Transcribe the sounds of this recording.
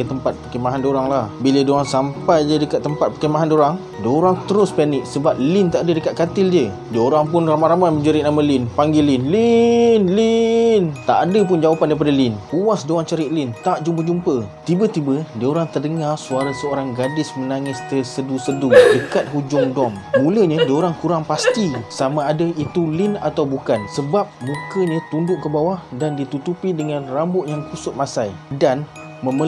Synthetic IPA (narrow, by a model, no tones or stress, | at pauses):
ət̪əmpat̪̚pərkəmaɦandoɾaŋlahbilədoaŋsampajd͡ʒadəkat̪̚ːəmpat̪̚pəkəmaɦandoɾaŋ | dəoɾaŋt̪əɾʊspanɪʔ̚səbap̚lɪnt̪aʔadədəkat̪̚kat̪ɪld͡ʒə | dəoɾaŋpʊnramaɾamajməɲd͡ʒəɾɪʔnaməlɪnpaŋɡilɪnlinlint̪a̰ʔadəpʊnd͡ʒawapandaipadalɪnkuwasdoaŋt͡ʃəɾiʔ̪̚lɪnt̪aʔd͡ʒumpəd͡ʒumpət̪ibət̪ibədioɾaŋt̪ərdəŋarsuaɾasəoɾaŋɡadɪsmənaŋɪst̪ərsədusədudəkat̪̚ɦud͡ʒʊŋdɔmmũləɲãdioɾaŋkuɾaŋpast̪isamãːdait̪ulɪnat̪awbukansəbap̚mũkəɲãt̪undʊʔkəbawahdandit̪ut̪upidəŋãnrambʊt̪̚jaŋkusʊt̪̚masajdan | məmə